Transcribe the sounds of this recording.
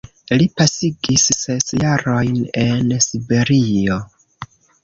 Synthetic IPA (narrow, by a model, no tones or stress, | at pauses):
lipasiɡisːe̞sjaɾo̞jne̞nsibe̞ɾio̞